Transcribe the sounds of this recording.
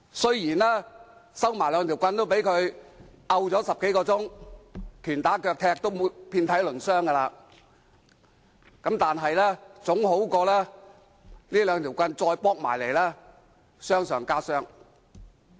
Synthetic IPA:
sɵ˥ɥjiː˨˩nlɛː˥sɐ˥wmaː˨˩jlœː˨˧ŋt̪ʰi˨˩wkʷɐ˧nt̪o˥wpe˨˥jkʰɵ˨˧ɥ | ɐ˧wt͡sɔː˨˥sɐ˨p̚ke˨˥jkɔː˧t͡sʊ˥ŋ | t̪ʰyː˨˩nt̪aː˨˥kœː˧k̚t̪ʰɛː˧k̚t̪o˥wpʰiː˧nt̪ʰɐ˨˥jlɵ˨˩nsœː˥ŋɡɐ˧laː˧ | kɐ˨˥mt̪aː˨nɦɐ˨jlɛː˥t͡sʊ˨˥ŋɦo˨˥wkɔː˧lɛː˥ | niː˥lœː˨˧ŋt̪ʰi˨˩wkʷɐ˧nt͡sɔː˧jpɔː˥k̚ma̰ː˨˩jle˨˩jlɛː˥ | sœː˥ŋsœː˨˩ŋkaː˥sœː˥ŋ

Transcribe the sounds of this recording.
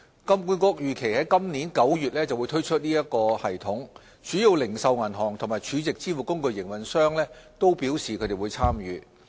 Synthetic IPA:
kɐ˥mkuː˨˥nkɔː˧k̚jyː˨kʰe˨˩jhɐ˨˥jkɐ˥mniː˨˥nkɐ˨˥wjyː˨t̚lɛː˥t͡sɐ˨wjt̪ʰɵ˥ɥt͡ʃʰɵ˥t̚niː˥jɐ˥t̚kɔː˧hɐ˨˩jt̪ʰʊ˨˥ŋ | t͡ʃyː˨˥ji˨˧wlɪ˨˩ŋsɐ˨˧wŋɐ˨˩nɦɔː˨˩ŋt̪ʰʊ˨˩ŋmaː˨jt͡ʃʰyː˨˧t͡sɪ˨k̚t͡siː˥fu˨kʊ˥ŋkɵ˧ɥjɪ˨˩ŋwɐ˨nsœː˥ŋlɛː˥t̪o˥wpiː˨˥wsiː˨kʰɵ˨˧t̪e˨wu˨˧jt͡sʰaː˥mjyː˨

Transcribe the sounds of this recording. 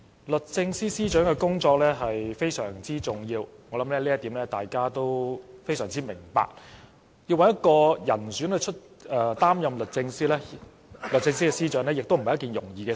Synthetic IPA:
lɵ˨t̚t͡sɪ˧ŋsiː˥siː˥t͡ʃœː˨˥ŋkɛ˧kʊ˥ŋt͡sɔː˧k̚lɛː˥ɦɐ˨jfe˥jsœ̰ː˨˩ŋt͡siː˥t͡sʊ˨˩ŋjiː˧wŋɔː˨˧lɐ˨˦˥mlɛː˥liː˥ɐ˥t̪iː˨˥mnlɛː˥t̪aː˨jkaː˥t̪o˥wfe˥jsœː˨˩ŋt͡siː˥mɪ˨˩ŋpa̰ː˧k̚ | ji˧wɐ˧˩njɐ˥t̚kɔː˧jɐ˨˩nsy˨˥nɵ˧t͡ʃʰɵ˥t̚ | ɛː˨t̪aː˥mjɐ˨˧mlɵ˨t̚t͡sɪ˧ŋsiː˥lɛ˥ | lɵ˨˩t͡sɪ˧ŋsiː˥kɛ˧siː˥t͡ʃœː˨˥ŋlɛː˥jɪ˨k̚t̪o˥wm̩˨˩˨ɐ˨jɐ˥kiː˨njʊ˨˩ŋjiː˨˩kɛː˧

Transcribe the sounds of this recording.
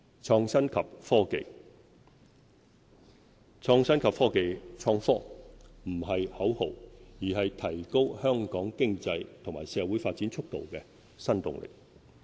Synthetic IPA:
t͡ʃʰɔː˧ŋsɐ˥nkʰɐ˨p̚fɔː˥kḛ˨˧j | t͡sʰɔː˧ŋsɐ˥nkʰɐ˨p̚fɔː˥ke˨jt͡sʰɔː˧ŋfɔː˥m̩˨˩hɐ˨jhɐ˨˥who̰˨˩wjiː˨˩hɐ˨jt̪ʰɐ˨˩jko˥whœː˥ŋkɔː˨˥ŋkɪ˥ŋt͡sɐ˧jt̪ʰŋma̰ː˨˩jsɛː˨˧˥wuː˨˥jfaː˧t̚t͡siː˨˥nt͡ʃʰʊ˥k̚t̪o̰˨wkɛ˧ | sɐ˥nt̪ʊ̰˨ŋlɪ̰˨˩k̚

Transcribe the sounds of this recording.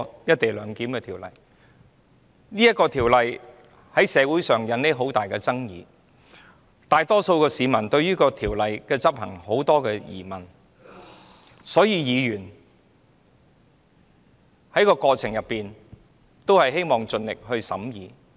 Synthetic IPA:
jɐ˥t̚t̪e˨jlœː˨˧ŋkiː˨˥mkɛː˧t̪ʰiː˨˩wlɐ̰˨˩j | niː˥jɐ˥t̚kːɔː˧t̪ʰiː˨˩wlɐ˨j | hɐ˨˥jsɛː˨˧wuː˨˥jsœː˨˩ŋjɐ˨˥nne˥ɦo˨˥wt̪aː˨˩jkɛː˧t͡sɐ˥ŋjiː˨˧ | t̪aː˨˧jt̪ɔː˥so˧wkɛː˧siː˨˧mɐ˨˩nt̪ɵ˧ɥjyː˥kɔː˧t̪ʰiː˨˩wlɐ˨jkɛː˧t͡sɐ˥p̚hɐ̰˨˩ŋho˨˥wt̪ɔː˥kɛː˧jḭː˨˩mɐ˨˩n | sɔː˨˥jiː˨˧jiː˨˧ɥyː˨˩n | hɐ˨˥jkɔː˧kɔː˧t͡sʰɪ˨˩ŋjɐ˨˩pːiː˨n | t̪o˥whɐ˨jɦe˥jmɔː˨ŋt͡sɵ˧nlɪ˨k̚hɵ˧ɥsɐ̰˨˥mjiː˨˧

